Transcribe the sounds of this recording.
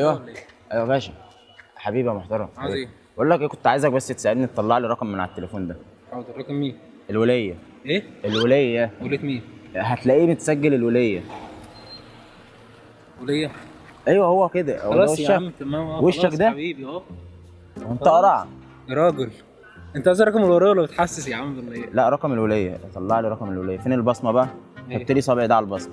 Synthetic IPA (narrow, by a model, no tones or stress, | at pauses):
ʔæjwæ | ʔæjwæbæːʃæ | ħabiːbimoħt̪ɑɾˤɑmħaiː | eʔolːækʔeːkont̪ʕaːjezæk̚bæsːet̪saʕed̪nit̪ːˤɑlːɑʕliɾˤɑqmːenʕa̰et̪ːelefuːnd̪æ | ɑkmːiː | ʔelwelejːæ | ʔeːelwelæjːæːæwelæt̪miːɦæt̪læʔiːbmet̪sæɡːelelwelejːæ | welejːæ | ʔæjwæhowːæked̪æwlɑweʃæmt̪æmæweʃːækd̪æbiːbiʔæː | wenæʔɑɾˤɑʕ̰ | ɾˤɑːɡel | ʔent̪æʔæzæɾˤɑkɑmelwelejːwælːæbet̪ħasːesjaʕamd̪lːɑlæʔɾˤɑkɑmelwelejːæ̰t̪ˤɑlːɑʕliɾˤɑkɑmelwelejːæfenelbɑsˤmɑbæʔæ | æt̪ːliːsˤɑbʕd̪æʕalælbɑsˤmɑ